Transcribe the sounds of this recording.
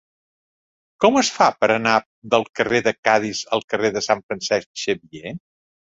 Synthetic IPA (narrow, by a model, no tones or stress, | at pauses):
kɔməsfapəɾəna | d̪əlˠkəreðəkaðizəlˠkəreðəsaɱfɾənsɛskʃəβie